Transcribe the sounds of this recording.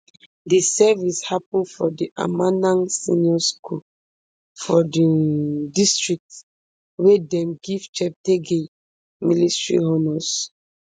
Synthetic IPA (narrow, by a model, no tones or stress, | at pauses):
disɛvishapɔ̃nfɔdiʔa̰manãnsĩnjɔskʰul | fɔdidistɹik̚t | wedɛ̃mɡivt͡ʃɛp̚teɡe | militɹḭɦɔnɔs